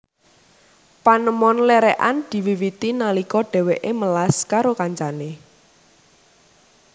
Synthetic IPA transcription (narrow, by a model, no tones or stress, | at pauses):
panəmɔnlɛɾɛʔand̪̥i̤wiwit̪inalikɔɖ̥ɛ̤weʔeməlaskaɾokaɲt͡ʃane